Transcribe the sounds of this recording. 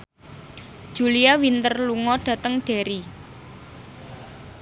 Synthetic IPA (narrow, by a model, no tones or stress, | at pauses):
d̥ʒ̥ṳliawint̪ərluŋɔɖ̥ä̤t̪əŋɖ̥e̤ɾi